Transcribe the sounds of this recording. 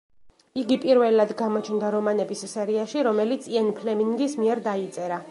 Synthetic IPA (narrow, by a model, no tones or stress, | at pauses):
iɡipʼiɾvɛlad̪ɡamɔt͡ʃʰnd̪aɾɔmanɛbissɛɾiaʃiɾɔmɛlit̪sʰiɛnpʰlɛmiŋɡismiɛɾd̪ait̪sʼɛɾa